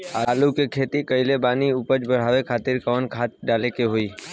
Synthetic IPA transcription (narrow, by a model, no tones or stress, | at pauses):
alukekʰeːt̪ikəɪlebaːniʊpəd͡ʒbəɽ̤aːʋekʰaːt̪ɪɾkəʋnkʰaːt̪̚ɖaːlekeɦoiː